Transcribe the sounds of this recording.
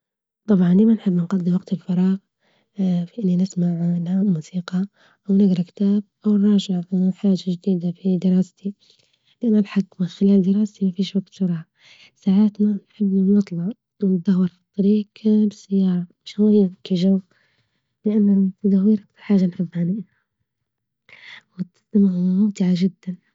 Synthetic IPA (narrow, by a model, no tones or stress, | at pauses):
t̪ˤɑbʕɑnlimanħɪbːnɡɑd̪ːɪmwaqt̪ɪlfɑɾˤɑːɣ | fiʔɪnːinɪsmaʕlamuːsiːqɑ | ʔawnɪɡɾˤɑkt̪aːb̚ʔawnɾˤɑːʒɪʕħaːʒaʒd̪iːd̪afid̪ɪɾɑːst̪i | lɪʔanːʔalħakmɪnxɪlaːld̪ɪɾˤɑːst̪imafiːʃwaɡt̪sʊɾˤɑʕa | saːʕaːt̪nanħɪbːnɑt̪ˤlɑʕ | wnt̪̚d̪ahwːɑɾˤfit̪ˤːɑɾiːqbɪsːajːɑːɾˤɑmɪʃajkiʒaw | lɪʔanːat̪d̪awiːɾʔakt̪alħaːʒanħɪbːanɪʔa | wɪt̪st̪amaʕmʊmt̪ɪʕaʒɪd̪ːan